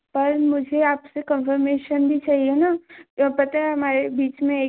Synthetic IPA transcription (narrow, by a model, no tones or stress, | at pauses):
pɐɾmʊd͡ʒʱeaːpsekə̃nfəɾmeːʃənbʱit͡ʃaːɦienaːpɐt̪aɦɛɦɐmaːɾebiːt͡ʃmẽeː